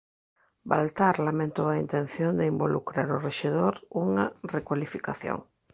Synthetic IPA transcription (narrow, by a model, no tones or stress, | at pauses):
ba̰lt̪aɾlamẽnt̪owaint̪en̟θjond̪ɪimbolukɾaɾʊreʃeðoɾuŋarekwalifikaθjo̰ŋ